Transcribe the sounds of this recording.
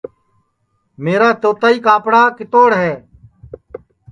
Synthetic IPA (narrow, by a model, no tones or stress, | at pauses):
meːɾaːt̪oːt̪aːiːkaːpɽaːkɪt̪oːɽɦɛː